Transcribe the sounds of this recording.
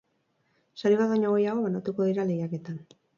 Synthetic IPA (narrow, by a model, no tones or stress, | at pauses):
saɾiβaðoɲoɣo̞jaɣ̞o̞βanat̪uko̞ðiɾale̞ɣjake̞t̪an